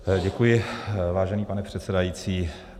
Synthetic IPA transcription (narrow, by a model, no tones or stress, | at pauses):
ɟɛkujɪvaːʒɛniːpanɛpr̝̥ɛt̪sɛdajiːt͡siː